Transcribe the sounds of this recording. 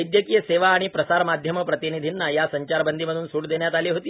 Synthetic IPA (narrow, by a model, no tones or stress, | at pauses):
jd̪jəkiːjəseʋaːɽ̃ipɾəsaɾmad̪ʱjəməpɾət̪inid̪ʱinːajasəɲt͡ɕaɾbənd̪ʱiməd̪ʱuːnsuːʈd̪eɳjat̪aliɦot̪iː